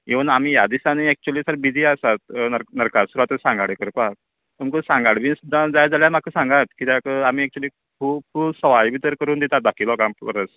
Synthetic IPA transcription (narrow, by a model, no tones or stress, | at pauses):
eʋənamijad̪isaniɛk̚t͡ɕuəliːsəɾbid͡ziːasat̪ənəɾkasuɾat̪əsãŋɡaɽekəɾkak̚ | t̪umkəsãŋɡaɽbiːnsud̪ʱãd͡zajd͡zaljam̤akʰːəsãŋɡat̪̚kit̪akəamiːɛk̚t͡ɕuliː | kʰuːb̚kʰusəʋajbit̪əɾkəɾuːnd̪et̪at̪̚d̪akʰilɔkampə̰ɾəs